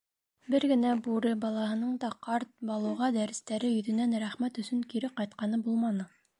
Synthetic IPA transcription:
bɘɾɡɘ̆næbuɾɤbɑlˠɑɦɤ̆nɤɴd̪ɑqɑɾt̪̚bɑlˠɤ̆wʁɑd̪æɾɘ̆st̪æɾɘjɵ̆ðɵ̆nænɾæχmæt̪ɵ̆sɵŋkiɾɘqɑjt̪̚qɑnɤbulˠmɑnɤ

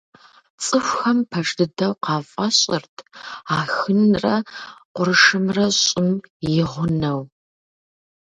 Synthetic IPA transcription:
t͡sʼɨxʷxɐmpʰɐʂdɨdɐwqɑːfʼɐɕʼɪrtʰaːxɨnrɐqʷʊrɨʂɨmrɐɕʼɪmjɪʁʷʊnɐw

